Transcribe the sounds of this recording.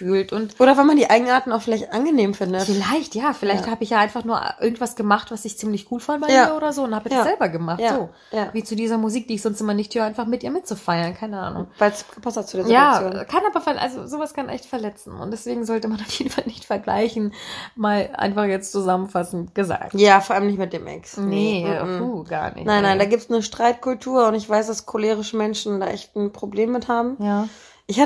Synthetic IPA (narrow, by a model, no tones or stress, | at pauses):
fyːltʔʊntoːɾɐvɛlmandiːʔaɪɡŋ̩ʔaːɐtn̩aʊxfɪlaɪçtʔanɡəneːmfɪndəfɪlaɪçtjaːfɪlaɪçthaːbəɪçjaːʔaɪnfaχnuːɐ̰ʔɪɐɡŋ̩tv̥asɡ̥əmaχtv̥asɪçt͡siːmlɪçɡ̥uːlfandəbaɪiɐːɐoːdɐzoːʊnthaːbɛzɛlbɐɡəmaχtz̥oː | javiːt͡sudiːzɐmuziːk̚d̥iːɪçz̥ɔnstʔɪmɐnɪçthyːʁaɪnfaχmɪtʔiːɐmɪtt͡sufaɪɐnkʰaɪnəʔa̰ːnʊ̰ŋvaɪsɡ̥əpʰastatt͡sudeːɐzjaːajoːnkʰanʔaːbɐfɛɐʔa̰lzozoːvaskʰanʔɛ̰çtfɛɐlɛt͡sn̩ʊ̰ntd̥ɛsv̥eːɡŋ̩zɔltəmanaʊfjeːdn̩falnɪçtfɛɐɡla̰ɪçn̩maːlʔa̰ɪnfaχjɛt͡stt͡suzamənfasn̩tɡ̥əza̰ːk̚jaːfoːɐʔaləmnɪçtmɪt̚d̥eːmʔɛ̰ksnəfuːɡ̥a̰ːɐnɪ̰çnaɪnːaɪndaːɡiːp̚tsnəʃtʁ̥aɪt̚kʰʊltʰuːɐʊntɪçv̥aɪsd̥askʰoleːʁɪʃəmɛnʃn̩da̰ːʔɛçtn̩pʁ̥obleːmːɪthaːbm̩jaː | ʔɪçha